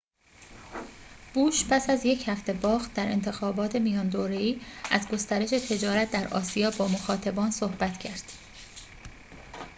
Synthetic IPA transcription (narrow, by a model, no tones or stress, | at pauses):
b̥uːʃpʰæsæzje̞cʰhæft̪e̞bɒːɣt̪̚d̪æɾe̞̰nt̪ʰe̞xɒːbɒːt̪ʰe̞mijɒːnd̪oːɾeiːʔæzɡo̞st̪æɾe̞ʃe̞t̪ʰe̞d͡ʒɒːɾæt̪̚d̪æɾʔɒ̰ːsijɒːbɒːmoxɒːt̪ʰæbɒːnsohbæt̪cʰæɾd̪̥